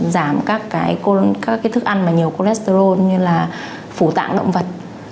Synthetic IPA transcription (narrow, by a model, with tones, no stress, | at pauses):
zaː˧˩mkaː˦˥kːaː˨˦jko˧kaː˦˥kːaː˨˦jt̪ʰɨ˦˥k̚ʔa˧jnmaː˨˩ɲi˨˩əwko˧lɛ˦˥st̪o˧zo˧ɲɨ˧laː˨˩ | fu˧˩t̪a̰ː˧˨ŋɗə̰˧˨wŋ͡mvə˨˩t̚